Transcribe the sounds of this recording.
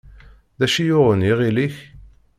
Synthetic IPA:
ðæʃijʊʁəniʁiliç

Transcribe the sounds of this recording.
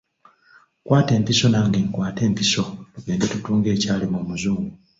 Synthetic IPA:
kwʔaːte̞ːmpiso̞naːŋɡeŋkwaːte̞ːmpiso̞tuɡe̞ːndetutuːŋɡe̞ːcaːlemumuzuːŋɡu

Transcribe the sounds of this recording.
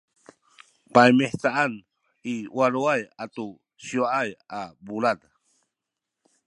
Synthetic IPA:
pajmeht͡saan | iwaluajat̪u | sjoaajabulad

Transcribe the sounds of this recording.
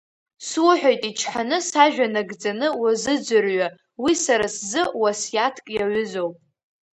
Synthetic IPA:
swʊħʷᶣajtʼit͡ʃʰħanɨsaʒᶣanaɡd͡zanɨwazɨd͡zʷɨrɥa | wisaɾaszɨwasjatʰkʼjaʕʏzo̞wpʼ

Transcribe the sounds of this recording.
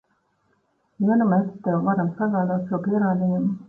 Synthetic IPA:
viɛnameːst̪ɛwvaɾamsaɡaːd̪aːt̪ʃuɔpiɛɾaːd̪ijumu

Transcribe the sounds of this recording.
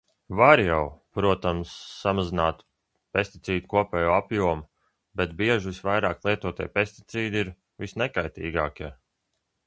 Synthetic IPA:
vaɾjawpɾuɔt̪amsːamazinaːt̪ | pest̪it̪siːd̪ukuɔpʲɛːjoːapjuɔmu | bɛt̪biɛʒʋisʋajɾaːklˠiɛt̪uɔt̪ḭɛ̰jpesʲt̪i̥t̪siːd̪iɾ | visnɛkajt̪ḭːɡaːkʲiɛ

